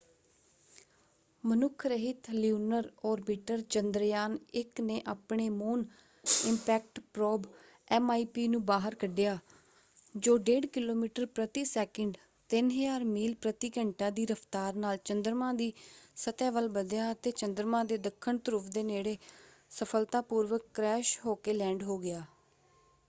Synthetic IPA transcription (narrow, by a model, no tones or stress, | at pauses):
mənʊkʰɾəɦɪt̪ljuːnəɾɔːɾbɪʈəɾt͡ʃənd̪ɾjaːnɪkneːʔaːpɳeːmoːn | ɪmpɛːk̚ʈpɾɔːb | ɛːmaːiːpiːnũːbaːɦəɾkəɖɪjaː | d͡ʒoːɖeːɖkɪloːmiːʈəɾpɾət̪iːsɛːkəɳɖ | t̪ɪnɦəjaːɾmiːlpɾət̪iːkəɳʈãːd̪iːɾəpʰt̪aːɾnaːlt͡ʃənd̪ɾmãːd̪iːsət̪ɛ̃ːʋəlbəd̪jaːət̪eːt͡ʃənd̪əɾmãːd̪eːd̪əkʰːəɳt̪əɾʊpʰd̪eːneːɽeː | səpʰəlt̪ãːpuːɾʋəkːɾɛːʃɦoːkeːlɛ̃ːɳɖɦoːɡɪjaː